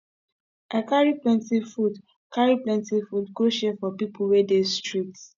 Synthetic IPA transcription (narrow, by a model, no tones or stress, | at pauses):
ʔakaɹiplɛ̃ntifud | kaɹiplɛ̃ntifudɡoʃɛfɔpipʰuwɛdestɹits